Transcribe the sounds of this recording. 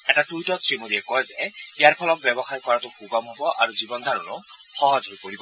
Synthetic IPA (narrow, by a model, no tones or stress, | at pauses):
ɛtatujtɔsɹimodiɛkɔjzɛijaɹpʰɔlɔk̚bɛbɔxaɹkɔɹatʊxuɡɔmʱɔbɔʔaɹuzibɔnd̪ʱaɹɔnɔ | xɔɦɔzɦojpoɹibɔ